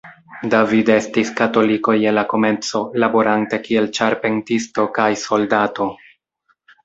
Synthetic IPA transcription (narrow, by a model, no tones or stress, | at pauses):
davide̞stiskato̞liko̞jenlako̞me̞nt͡so̞labo̞ɾʔante̞kie̞lt͡ʃaɾpe̞ntisto̞kajso̞ldato̞